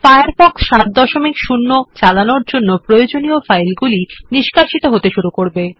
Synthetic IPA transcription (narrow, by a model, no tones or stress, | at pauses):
fajaɾfɔksʃat̪̚d̪ɔʃomikʃunːot͡ɕalanoɾd͡ʑonːopɾojod͡ʑoniofajlɡuliniʃkaɾʃit̪oɦot̪eʃuɾukoɾbe